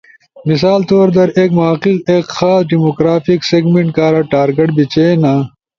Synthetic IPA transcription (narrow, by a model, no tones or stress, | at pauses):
mis̬aːlt̪oːɾd̪ɐɾeːkmoɦɐqiqekxaːsɖimokɾaːfikseɡmeɳʈkaːɾɐʈaːɾɡeʈbit͡ɕeːna